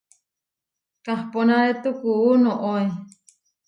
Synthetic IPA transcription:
kahponaɾet̪ukuunoʔoj

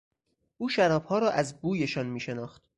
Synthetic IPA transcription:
ʔuːʃæɾɒːbhɒːɾɒːʔæzbuːje̞ʃɒːnmiːʃe̞nɒːxt̪

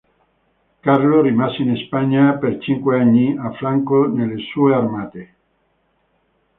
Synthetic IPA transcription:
karlorimaseinespaɲːapert͡ʃiŋkweaɲːiafːɾaŋkonelːesuearmaːt̪e

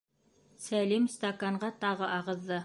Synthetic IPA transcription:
sælimst̪ɐkɑɴɢɑt̪ɑʁɤʔɑʁɤ̆ðːɤ

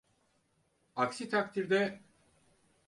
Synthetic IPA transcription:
aksit̪ʰak̚t̪ʰiɾd̪ɛ

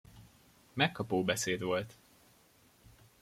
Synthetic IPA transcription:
mɛkːɒpoːbɛseːd̪ʋo̞lt̪

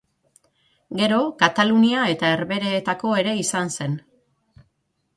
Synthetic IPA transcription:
ɡe̞ɾo̞kat̪aluniae̞t̪ae̞ɾβe̞ɾe̞ːt̪ako̞e̞ɾe̞isanse̞n

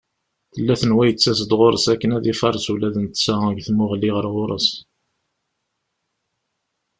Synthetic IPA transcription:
θəlːæθənwæjət͡sːæs̬əd̪ʁoɾˤəsækːənæðifɑɾˤsulæðənt̪sææɡθmʊʁəlːiʁəɾʁʊɾˤə̰s

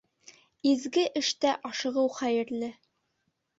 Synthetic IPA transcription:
izɡɘʔɘ̆ʃt̪æʔɒʃɤ̆ʁɤwχæjɘ̆ɾlɘ

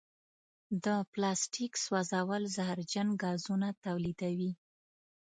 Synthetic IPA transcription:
d̪əplɑsʈikswazɑwəlzahɾd͡ʒanɡɑzunat̪awlid̪awi

